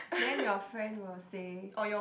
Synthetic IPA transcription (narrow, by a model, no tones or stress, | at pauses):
dɛ̃njɔfɹɛ̃ndwɪlseɔjɔ